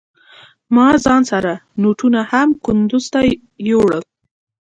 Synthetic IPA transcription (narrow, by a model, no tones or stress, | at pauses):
mɑzɑnsaɾanoʈunahamkʊnd̪ʊzt̪a | joɽəl